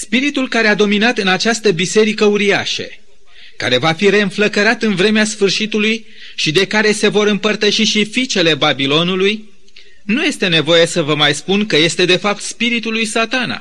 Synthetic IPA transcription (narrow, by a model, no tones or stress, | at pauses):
spiɾit̪ulkaɾe̞ad̪o̞minat̪ɨnat͡ʃast̪əbise̞ɾikəuɾia̰ʃə̰ | ka̰ɾe̞vafiɾe̞ɨnfləkəɾat̪ɨnvɾe̞measfɨrʃit̪uluj | ʃid̪e̞kaɾe̞se̞vo̞ɾɨmpərt̪əʃiʃifit͡ʃe̞le̞babilo̞nuluj | nuje̞st̪e̞ne̞vo̞je̞səvəmajspunkəje̞st̪e̞d̪e̞fap̚t̪spiɾit̪ulujsat̪ana̰